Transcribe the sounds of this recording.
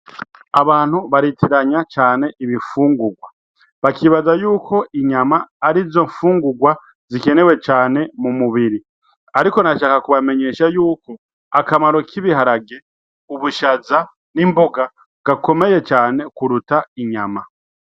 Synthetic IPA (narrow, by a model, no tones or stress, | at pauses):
aβaːn̥huβaɾitʰiɾaɲat͡ʃaːne̞ʔiβifuːŋɡuɡwa | βakiβazajuːkʰo̞iɲamaːɾizo̞ɱfuːŋɡuɡwa | zike̞ne̞we̞t͡ʃaːne̞mumuβiɾi | aɾiko̞naʃaːkakuβame̞ɲe̞ʃajuːko̞ | akamaɾo̞kiβiɦaɾaɡe | uβuʃaza | nimbo̞ɡa | ɡ̥ako̞me̞je̞t͡ʃaːne̞kuɾutaiɲama